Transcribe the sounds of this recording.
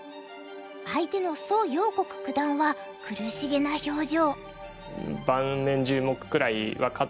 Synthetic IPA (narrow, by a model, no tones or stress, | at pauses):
ait̪e̞no̞so̞ːɡʲo̞ːko̞kɯ̟̥kɯ̟d̪ãɰ̃βa | kɯ̟ɾɯ̟ɕiɡe̞naço̞ːʑo̞ː | bãnnẽ̞ɲd͡ʑɨːmo̞kɯ̟̥kɯ̟ɾaiβakʰa